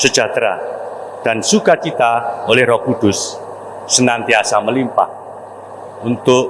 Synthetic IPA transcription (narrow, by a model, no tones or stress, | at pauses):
səd̥d͡ʒ̥ʒ̥a̤t̪ɾaɖ̥a̤nsukat͡ʃit̪aolɛhrɔkud̪̥ʊsː | ənant̪iasaməlimpa̰h | unt̪ʊʔ